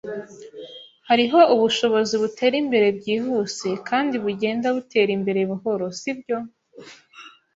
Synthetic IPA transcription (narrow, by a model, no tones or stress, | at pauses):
haɾiɦo̞uβuʃo̞βo̞ziβutʰe̞ːɾimbe̞ɾe̞b̚ɟiːɦuse̞kaːndiβuɟe̞ːndaβute̞ːɾimbe̞ɾe̞βuho̞ɾo̞sibjo̞